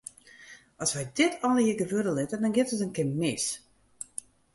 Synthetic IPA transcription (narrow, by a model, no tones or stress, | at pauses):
ɔsʋɛjdɪtʰɔləhiɡəvødəlɪtədɔnɡɪtətənkɪnmɪs